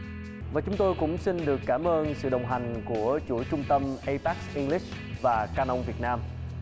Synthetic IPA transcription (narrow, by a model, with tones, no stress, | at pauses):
vaː˨˩t͡ɕʊ˨˦ŋ͡mt̪o˧jkʊ̰˧˥ŋ͡msi˧nɗɨ˨˩əkːaː˧˩mʔəː˧nsɨ̰˧˨ɗə˨˩wŋ͡mɦa˨˩jŋ̟ku˧˩ət͡ɕu˧˩t͡ɕʊ˧ŋ͡mt̪ə˧mʔə˧jpaː˦˥k̚sʔi˧ŋli˦˥k̚ | vaː˨˩kaː˧nə˧wŋ͡mvi˨˩ət̚naː˧m